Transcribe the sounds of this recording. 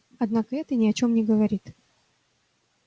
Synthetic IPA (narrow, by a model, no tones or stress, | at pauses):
ɐd̪nakəɛt̪ənʲɪɐt͡ɕo̞mnʲɪɡəvɐɾʲit̪